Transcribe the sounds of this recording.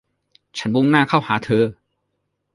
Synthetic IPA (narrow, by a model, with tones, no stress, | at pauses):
t͡ɕʰa˦˥nbo˧˥ŋnaː˥˩kʰa˥˩whaː˩˦t̪ʰɤː˧